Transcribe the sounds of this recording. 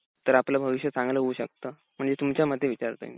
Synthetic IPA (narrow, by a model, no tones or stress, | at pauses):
t̪əɾaplabʱəʋiɕjət͡sãŋɡləɦouːɕək̚t̪ə | m̤əɳd͡zet̪umt͡ɕjaməd̪ʱːjeʋit͡ɕaɾt̪ə̰ḭn